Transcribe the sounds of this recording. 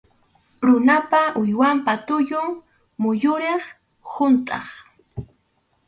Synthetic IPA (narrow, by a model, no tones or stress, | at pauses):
ɾʊnapaʔʊjwampat̪ʊʎʊŋ | mʊjʊɾeχ | hʊnt̪ʼɑ̰χ